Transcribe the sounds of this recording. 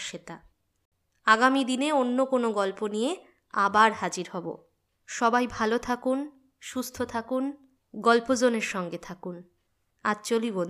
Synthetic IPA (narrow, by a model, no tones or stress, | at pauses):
ʃet̪a | aɡamid̪ineonːokonoɡɔlponije | abaɾhad͡ʑiɾɦɔbo̰ | ʃɔbajbʱalot̪ʰakun | ʃust̪ʰot̪ʰakun | ɡɔlpod͡ʑoneɾʃɔŋɡet̪ʰakun | at͡ɕolibon